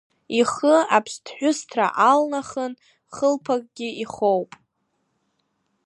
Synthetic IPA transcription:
iχəapʰstʰħᶣʷʊstʰra̰ʔalnaχən | χəlpʰakʼɡʲɪiχowpʼ

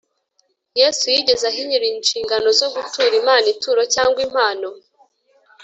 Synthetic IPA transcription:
jesujiɟe̞zahiɲiɾiːnʃiːŋɡano̞zo̞ɡutuːɾimaːnituːɾo̞caːŋɡwim̥haːno̞

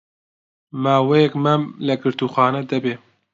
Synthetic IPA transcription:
maːwejɛkmɛmlɐɡɨɾt̪uːxaːnɛd̪ɐbeː

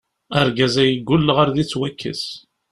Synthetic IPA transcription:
æɾɡæzæjəɡʷːʊlːəʁaɾðit͡sːwækːə̰s

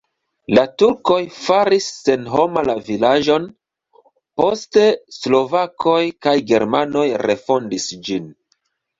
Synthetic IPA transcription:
latuɾko̞jfaɾisːe̞nɦo̞malavilaʒo̞n | po̞ste̞slo̞vakʰo̞jkajɡe̞ɾmano̞jɾe̞fo̞ndisd͡ʒin

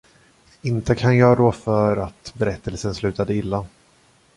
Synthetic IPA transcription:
ɪnt̪əkʰanjɑːɡd̪ofœɾat̪bɛɾɛt̪ʰːəlsənslʉ̟ːt̪ad̪əɪlːa

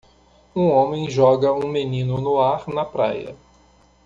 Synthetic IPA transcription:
ũõmẽj̃ʒɔɡɐũmenĩnʊnʊaɾnɐpɾa̰jɐ̰

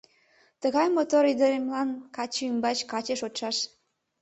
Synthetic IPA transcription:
t̪əɣɑjmot̪oɾid̪əɾemlɑnkɑt͡ɕymbɑt͡ɕkɑt͡ɕeʃot̪ʃɑʃ

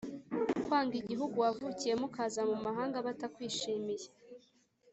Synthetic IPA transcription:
kwaːŋɡiɟiɦuɡuwavucije̞mukaːzamumaɦaːŋɡaβatakwiːʃiːmije

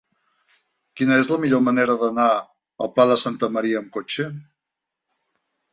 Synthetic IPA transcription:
kinəezləmiʎoməneɾəðəna | əlˠpaðəsant̪əməɾiəːmkot͡ʃə

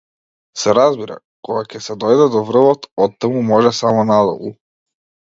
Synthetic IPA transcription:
sɛɾazbiɾa̰ | kɔɡacɛsɛd̪ɔjd̪ɛd̪ɔvr̩vɔt̪ɔt̪ːamumɔʒɛsamɔnad̪ɔ̰lˠṵ

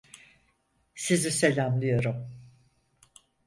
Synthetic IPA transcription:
sizise̞lʲamlˠɯjo̞ɾum

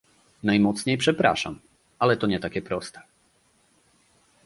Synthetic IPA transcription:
najmɔt̪sɲɛjpʂɛpɾa̰ʂa̰m | alɛt̪ɔɲɛt̪akʲɛpɾɔst̪ɛ̥

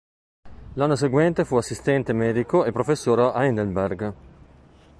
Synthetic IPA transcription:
lanːos̬eɡwɛnt̪efuasːist̪ɛnt̪emɛːd̪ikoepːɾofesːoːɾaʔainelberɡ

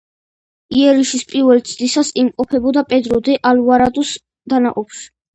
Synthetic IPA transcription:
iɛɾiʃispʼiɾvɛlt̪sʰd̪isasimqʼɔpʰɛbɔd̪apʼɛd̪ɾɔd̪ɛʔaluaɾad̪us | d̪anaqʼɔpʰʃi̥

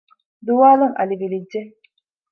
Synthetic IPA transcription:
d̪uʋaːluŋɐ̰liʋilidːe

